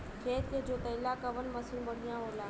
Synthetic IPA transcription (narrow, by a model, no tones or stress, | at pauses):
kʰeːt̪̚ked͡ʒoːt̪ɐɪlaːkəʋənməsɪnbəɽ̤ijãːɦoːlaː